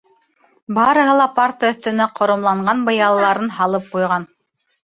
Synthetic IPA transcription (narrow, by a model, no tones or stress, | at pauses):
bɑɾɤ̆ɦɤ̆lˠɑpaɾt̪əɵ̆θt̪ɵ̆næqʰŏɾŏmlˠɑɴɢɑnbɤ̆jɑlˠɤlˠɑɾɤnɦɑlˠɤp̚qujʁɑn